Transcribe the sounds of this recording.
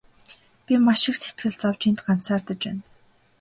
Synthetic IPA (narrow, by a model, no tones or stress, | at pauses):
pʲimaʃɪ̆kset̪ɡɘ̆ɮt͡sɔwt͡ɕiːnt̪ɢan̥saːrt̪ə̆t͡ɕpæ̰ːn